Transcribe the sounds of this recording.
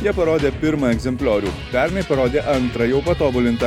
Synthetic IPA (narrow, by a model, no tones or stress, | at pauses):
jɐpɐɾɔːd̪ʲepiɾmɐeɡzemplʲaːɾʲjupæːɾmepɐɾɔːd̪ʲeʔɐnt̪ɾɐjoːpɐt̪ɔːbulint̪ɐ